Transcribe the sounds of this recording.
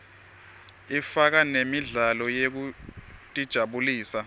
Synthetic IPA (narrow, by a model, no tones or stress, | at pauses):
ifak̬anemiɮalɔjek̬utʼid̥ʒ̥ʱaɓuliːsa